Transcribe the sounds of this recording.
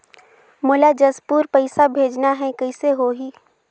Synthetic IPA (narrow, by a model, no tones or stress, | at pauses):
mʊlad͡ʒɐspuːɾpɐɪsabʱeːd͡ʒnaɦɛ̃kɐɪseɦoɦiː